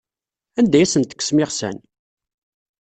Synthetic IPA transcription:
ænd̪æjæsənt̪ə̥kːə̥smɪʁsæ̰n

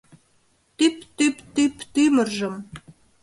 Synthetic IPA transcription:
t̪ipt̪ypt̪ipt̪ymərʒə̆m

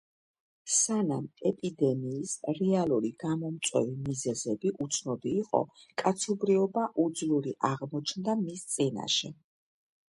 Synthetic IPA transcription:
sanamɛpʼid̪ɛmiːsɾɛalˠuɾiɡamɔmt̪sʼwɛvimizɛzɛbiʔut̪sʰnɔd̪iːqʼɔ̰kʼat̪sʰɔbɾiɔbaʔud̪zlˠuɾiʔaʁmɔt͡ʃʰnd̪amist̪sʼina̰ʃɛ

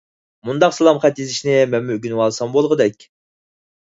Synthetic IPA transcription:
mund̪ɑqsɨlˠɑmχɛt̪jizɪʃnɪmɛnmøɡʲynɨwɑlˠsɑmbolˠʁəd̪ɛkʲ

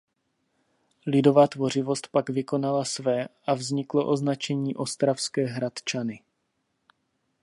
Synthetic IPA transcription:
lɪdo̞vaːt̪vo̞r̝ɪvo̞st̪paɡvɪko̞nalasvɛːʔavzɲɪklo̞ʔo̞znat͡ʃɛɲiːʔo̞st̪ɾafskɛːɦɾat̪t͡ʃanɪ

